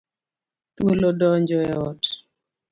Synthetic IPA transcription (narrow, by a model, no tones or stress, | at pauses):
t̪wolodɔɲd͡ʒɔɛɔt